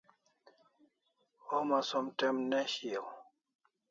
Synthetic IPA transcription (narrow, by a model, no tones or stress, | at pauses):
ɔmasɔmtɛmnɛhi